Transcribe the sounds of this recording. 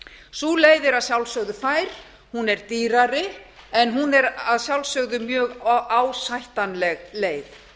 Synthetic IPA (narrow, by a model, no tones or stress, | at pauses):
suːleːjðɪɾaðsjawlsœɣðʏfaːjɾ̥ | hunɛɾt̪iːɾaɾɪɛnɦunɛɾaðsjawlsœɣðʏmjœːɣaːwsajht̪anlɛɣleːjð